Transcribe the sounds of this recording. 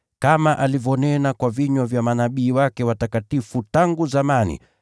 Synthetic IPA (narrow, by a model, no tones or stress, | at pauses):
kamaʔalivɔnɛnakwaviɲwavjamanaɓiːwakɛwatakatifutaŋɡuzamanḭ